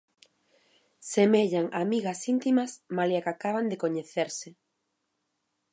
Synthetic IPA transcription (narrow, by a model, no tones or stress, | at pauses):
semeʎaŋʔamiɣɐsint̪imɐsmaljakakaβand̪ekoɲeθeɾsɪ